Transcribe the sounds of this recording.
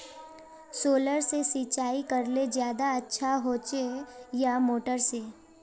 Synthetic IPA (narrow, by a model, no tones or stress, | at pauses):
soːləɾsesit͡ʃaːikɐɾled͡ʒjaːd̪aɐtːʃʰaɦoːt͡ʃejamoːʈəɾse